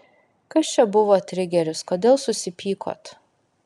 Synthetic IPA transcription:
kɐst͡ʃʲɛbʊʋoːt̪ʲɾʲɪɡʲɛɾʲʊskoːd̪ʲeːlˠsʊsʲɪpʲiːkʰo̰ːt̪

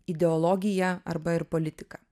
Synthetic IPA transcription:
ɪd̪ʲɛɔlˠɔːɡʲɪjɛɐɾbɐɪɾpolʲɪt̪ʲɪ̥kɑː

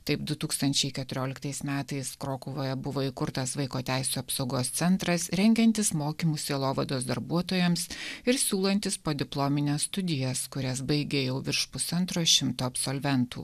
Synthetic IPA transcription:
t̪ɐɪpd̪ʊt̪uːkst̪ɐnʲt͡ʃʲɛɪkʲɛt̪ʊɾʲoːlʲɪkt̪ɐɪsmʲæːt̪ɐɪskɾoːkʊʋoːjɛbʊʋoːikʊɾt̪ɐsʋɐɪkoːt̪ʲæɪsʲuːɐpsɐʊɡoːst̪sʲɛnt̪ɾɐsɾʲɛŋʲɡʲɛnʲt̪ʲɪsmoːkʲiːmuːsʲeːlˠoːʋɐd̪oːs̬d̪ɐɾbuɔt̪oːjɛmsɪɾsʲuːlˠɐnʲt̪ʲɪspoːd̪ʲɪplˠoːmʲɪnʲeːsst̪ʊd̪ʲɪjɛskʊɾʲɛsbɐɪɡʲejɛʊʋʲɪɾʃpʊsɐnt̪ɾoːʃʲɪmt̪oːɐpsoːlʲʋʲɛnt̪ṵː

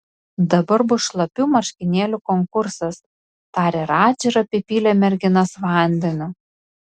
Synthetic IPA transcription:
d̪ɐbɐɾbʊʃlˠɐpʲuːmɐɾʲʃʲkʲɪnʲeːlʲukɔŋkʊɾsɐs | t̪ɑːɾʲeːɾɑːt͡ʃʲɛɾɐpʲipʲiːlʲɛmʲɛɾʲɡʲɪnɐsʋɑˑnʲd̪ʲɛnʲʊː

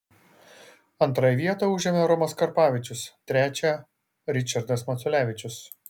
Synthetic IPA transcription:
ɐnˑt̪ɾɑjʋʲiɛt̪ɐʊʒʲɛmʲɛɾɔmɐskɐɾpɑːʋʲɪt͡ʃʲʊst̪ʲɾʲæːt͡ʃʲæ | ɾʲɪt͡ʃʲɐɾd̪ɐsmɐt̪sʊlʲæːʋʲɪt͡ʃʲʊs

